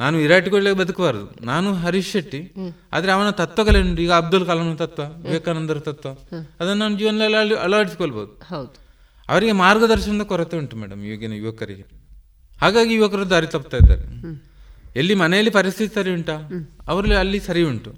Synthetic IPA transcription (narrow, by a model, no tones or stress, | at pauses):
naːnuiɾaːʈikoɭleːkbɐd̪ukɐbaːɾɐd̪ṵnaːnuɦɐɾiʃɐʈːia̰ːd̪ɐɾeɐʋɐnɐt̪ɐt̪ːʋɐkɐleɳʈuiːɡɐːb̚d̪ulkaːlɐmnɐt̪ɐt̪ʋajuʋɐkːaːnɐnd̪ɐɾut̪ɐt̪ʋɐɐd̪ɐnːaːnud͡ʒiːʋɐnɐlɐlliɐ̰lʋaːɽisi̥koɭboːd̪ud | ɐ̰ʋɐɾiɡe̞maːɾɡɐd̪ɐɾʃɐnɐd̪ɐkɔɾɐt̪ːeuɳʈumɛ̰ːɽɐ̰mḭʋɐɡenɐjṵʋɐkɐɾḭɡe | haːɡaːɡijuʋɐkɐɾɐd̪aːɾit̪ɐpːt̪aːjid̪ːa̰ːɾe | elːimɐnɛjɐlːipɐɾist̪ʰit̪isɐɾiuɳʈaːɐʋɐɾɐliɐlːisɐɾiuɳʈu